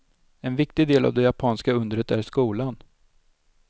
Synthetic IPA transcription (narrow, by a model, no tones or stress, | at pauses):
ɛnvɪkt̪ɪɡd̪eːla̰vd̪ɛjapʰɑːnskaɵnd̪əɾət̪æɾʂkuːlan